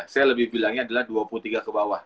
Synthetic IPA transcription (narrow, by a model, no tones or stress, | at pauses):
sajaləbɪhbilaŋɲaːdalahduapulut̪iɡakəbawah